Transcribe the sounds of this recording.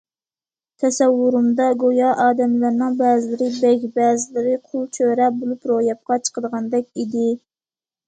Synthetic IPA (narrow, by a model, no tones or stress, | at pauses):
t̪ʰɛsɛwːuɾumd̪ɑɡojɑʔɑːd̪ɛmlæɾnɨŋbæːzɪlɪɾɪbɛkʲbæːzɪlɪɾɪqʰolˠt͡ʃʰøɾɛbolˠupɾojɑp̚qɑt͡ʃʰə̥qəd̪əʁɑnd̪ɛkʲid̪ɪ